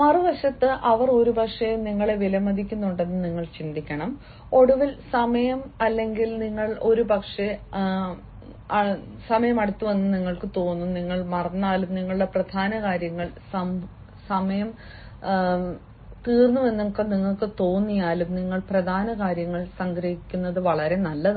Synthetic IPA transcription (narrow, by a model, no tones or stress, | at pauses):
mɐrɨʋɐɕɐt̪ːɨʔɐʋɐro̞ɾubʱɐkʂejuniŋːɐɭeʋilɐmɐd̪ʱikʲːunːuɳɖe̞nːɨniŋːɐɭt͡ɕind̪ikʲːɐɳɐm | o̞ɽuʋilsɐmɐjɐmɐlːe̞ŋɡilniŋːɐɭo̞ɾubʱɐkʂe | ɐ | sɐmɐjɐmɐɽut̪ːuʋe̞nːɨniŋːɐɭkɨt̪o̞ːnːuniŋːɐɭmɐrɐnːaːlumniŋːɐɭuɽeprɐd̪ʱaːnɐkaːɾjɐŋːɐɭsɐm | sɐmɐjɐm | t̪iːrnːuʋe̞nːukːeniŋːɐɭkɨt̪o̞ːnːijaːlumniŋːɐɭprɐd̪ʱaːnɐkaːɾjɐŋːɐɭsɐŋɡɾɐhikʲːunːɐðɨʋɐɭɐɾe̞nɐlːɐð